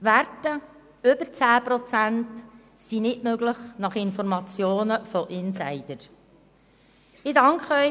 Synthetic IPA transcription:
ʋæɾtə | ʏbəɾt͡sæːpɾɔt͡sænt | sinɪtmøɡləχnɑχɪnfɔɾmɑt͡sjoːnəfɔʔɪnsæɪd̥əɾ | ɪdɑŋkχœʏ

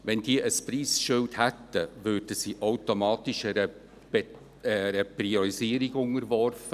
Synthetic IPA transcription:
ʋɛnd̥iːəʔəspriːsʃʏlthɛtːəvøɾd̥əsiːʔaʊtomɑːtɪʃɛɾə̥ | ɛɾəpriɔɾisiːəɾiɡʊŋəɾvɔrfə

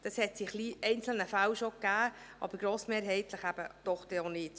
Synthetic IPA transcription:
d̪̥ɑshɛt̪d̥iχliːʔɛɪnt͡sl̩nəfæwʃokːæː | ʔɑ̰bəɾɡɾoːsmeːɾɦɛɪt̪ləχæb̥əd̥ɔχd̥̪ɛonɪːt

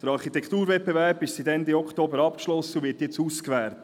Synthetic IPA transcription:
d̥əɾɑɾχit̪ɛkʰχt̪uːɾvɛbevæɾb̥ɪʃsitɛnd̪iɔkχt̪oːbəɾɑpkʃlɔsːəuvɪːtjɛt͡suːskʋæːɾt

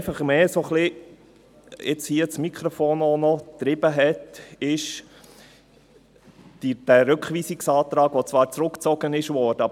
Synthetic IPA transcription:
fɑχmeːsoχlɪ | ɪ̰t͡shiət͡smikʰɾɔfoːnɔnɔt̪ɾɪb̥əɦɛtɪʃ | d̥id̥æɾɵkχʋiːsiksɑːt̪ɾɑːɡʋot͡svʋɑːɾt͡sɾʊkt͡sɔɡənɪʃʋɔːɾd̥əɑ

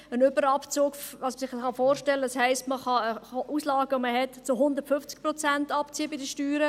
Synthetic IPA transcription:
ənʏbəɾɑpt͡soːɡfɑsməsɪχχɑfoːɾʃtɛlːədɑshɛɪstməχɑəuːslɑːɡəoməɦɛtt͡sʊɦʊnd̪əɾtfʏft͡sk̚pɾɔt͡sæntɑpt͡siːəbɪdəʃtyːɾə

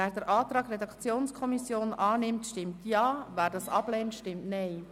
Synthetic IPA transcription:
æːɾdəɾʔɑːtɾɑːɡɾɛdɑkt͡sjoːnskʰɔmisjoːnʔɑːnɪmtʃtɪmtjɑːvæːɾdɑsɑb̥lɛːntʃtɪmtnɛj

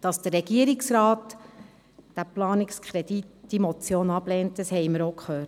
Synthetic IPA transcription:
d̥ɑsd̥ərːɛɡiəɾiksɾɑːt | d̥æplɑːnɪkskʰχɾɛditd̥imɔt͡sjoːnɑb̥lɛːntdəshɛɪməɾokχøː

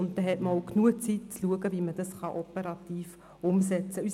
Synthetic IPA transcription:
ʊntd̪ɛɦɛtmoʊknuət͡sit̚t͡sluəɡəviməd̥ɑsχɑʔɔpəɾɑt̪iːf | ʊmsɛt͡səys

